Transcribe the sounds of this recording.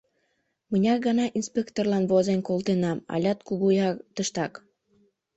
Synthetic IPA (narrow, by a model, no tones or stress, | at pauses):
mənʲɑk̚ɡənɑʔinspʲekt̪orlɑnβozenʲkolt̪enɑmɑ̰lʲɑt̪kuɣujɑt̪əʃt̪ɑk